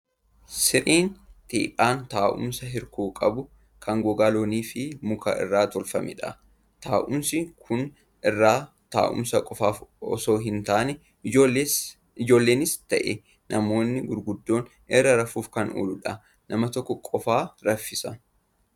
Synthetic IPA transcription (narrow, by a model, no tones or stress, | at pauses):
sɪɾiːnt̪ʰḭːpʼaːnt̪aːʔʊ̰msɐɦɪɾkuːkʼɐbʊ | kʰɐŋɡɔɡaːlo̞ːniːfɪmʊkʰa̰ʔɪ̰rːaːt̪ɔlfɐmɛ̰ᶑɐ̰ | t̪aːʔʊmsɪkʰʊn | ɪrːaː | t̪a̰ːʔʊ̰msɐkʼɔfaːfɔ̰so̞ːɦɪnt̪aːnɛː | e | ɪd͡ʒo̞ːlːe̞ːnɪst̪ɐʔɛ | nʔɐmo̞ːnːɪɡʊɾɡʊd̪ːo̞ːn | ɛrːɐɾɐfuːfkɐnʔo̰ːlʊᶑɐ | nʔɐmɐt̪ɔkːɔkʼɔfaːɾɐfːɪsɐ